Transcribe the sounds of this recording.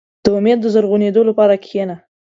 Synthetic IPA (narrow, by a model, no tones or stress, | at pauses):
d̪̥əʊmed̪ːəzəɾɣuned̪olapɑɾakʰena